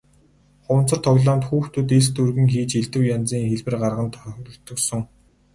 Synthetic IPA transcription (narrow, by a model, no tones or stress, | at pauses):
χʊwn̥t͡sə̆r̥t̪ʰɔɣɮaːmt̪xuːxt̪ʰɵt̪est̪urɣɘ̆ŋxiːt͡ɕiɮt̪ɘ̆wjant͡siːŋxeɮpɘ̆rɢarʁə̆nt̪̆ʰt̪ɞ̆ksɞ̆ŋ